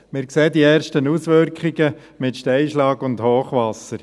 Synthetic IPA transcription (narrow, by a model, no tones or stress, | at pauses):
mɪɾkseːdiɛːrʃtənusʋʏɾkχiɡə | mɪtʃtɛjʃlɑːɡʊndhoːχʋɑsːəɾ